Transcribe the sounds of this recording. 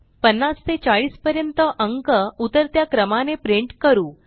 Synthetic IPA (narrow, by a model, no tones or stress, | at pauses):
pənːast̪et͡ɕaɭiːspəɾjənt̪əʔəŋkəut̪əɾt̪jakɾəmanepɾiɳʈkəɾuː